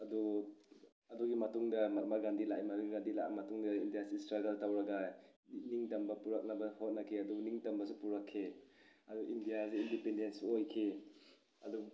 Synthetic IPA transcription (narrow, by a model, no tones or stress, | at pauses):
ɐdu | ɐduɡimɐtuŋdɐmɐɾmaɡandilaʔjmɐtuɡandila̰mɐtuŋdɐindijasistɾaɡɐltawɾɐɡa | niŋtɐmbɐpuɾɐk̚nɐbɐhot̚nɐkʰeɐduniŋtɐmbɐsupuɾɐkʰːeɐduʔindijaseindipendensuojkʰe | ɐdu